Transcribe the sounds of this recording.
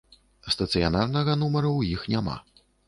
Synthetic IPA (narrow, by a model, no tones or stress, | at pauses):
st̪ɐt̪sɨjanarnɐɣɐnumɐɾɐwjixnʲama̰